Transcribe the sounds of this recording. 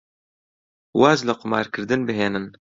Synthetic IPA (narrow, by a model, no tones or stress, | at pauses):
wɑːzlɨqʊmɑ̰ːɾkʰɨɾd̪ɨnbɨɦeːnɨn